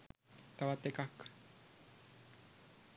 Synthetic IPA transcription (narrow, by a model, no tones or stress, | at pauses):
t̪aβat̪ːekak